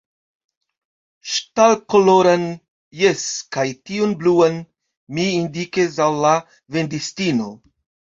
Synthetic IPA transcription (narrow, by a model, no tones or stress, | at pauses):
ʃtalkoloɾan | jeskajtiunbluan | miːndikesawla | vendistino